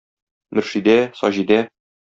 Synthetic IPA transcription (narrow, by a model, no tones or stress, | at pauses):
mɵ̆ɾʃid̪æsɒʑid̪æ